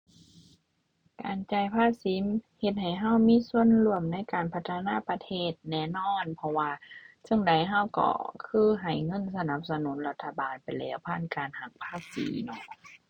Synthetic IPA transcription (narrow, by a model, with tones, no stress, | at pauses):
ka̰ː˨nt͡ɕa˧˩jpʰaː˧˥si˨˦mhe˧t̪̚ha˨˩jɦa˧˥˩wmiː˧˥˨su˧˨ə˨nlu˧˩əmna˧˥˨jkaː˨npʰa˧t̪ʰːa˧naː˧˥˨pa˧t̪ʰeː˧˥˩t̪̚nɛː˧˩nɔː˧˥˨npʰɔ˧waː˧sɯ˧˨ŋda˨˦jɦa˧˩˨wkɔ̰˧˩kʰɯː˧˥˩ɦa˨˩jŋɤ˧˥˨nsa˧na˧˦p̚sa˧nu˨˦nla˧t̪ʰːa˧baː˨npa˨jlɛː˧˥wpʰaː˧˥˨nkaː˨nha˨˧˩k̚pʰaː˧˥˨sḭː˨˦nɔ˧˩ʔ